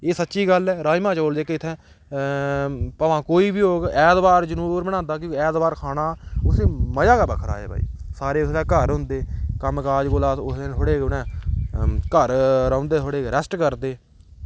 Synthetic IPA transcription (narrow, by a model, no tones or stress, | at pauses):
eːsətːʃiːɡəlɛːɾaːimãːt͡ʃoːld͡ʒeːkeɪt̪ʰːɛ̃ː | pəʋãːkoːiːbiːoːɡɛːd̪baːɾd͡ʒənuːbɾbəɽ̃ãːnd̪aːk̬õːɛːd̪baːɾkʰaːɽaːʊsẽːməjaːkaːbəkʰəɾa̰ːḛːbʱa̰ːḭːsaːɾeːʊsd̪aːkəɾɦʊ̃nd̪eːkəmkaːd͡ʒɡoːlaːt̪ʊsẽːtʰoːɽeːʊnɛ̃ː | kəɾɾə̃ʊ̃ːnd̪eːt̪ʰoːɽeːɾɛsʈkəɾd̪eː